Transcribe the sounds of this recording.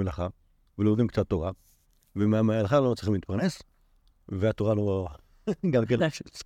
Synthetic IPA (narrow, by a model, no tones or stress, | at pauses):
elaχa | velomod̪imkt͡sat̪ːoʁa | vemamealaχalot͡sʁiχximlit̪̚paʁnes | veat̪oʁalo | ɡamken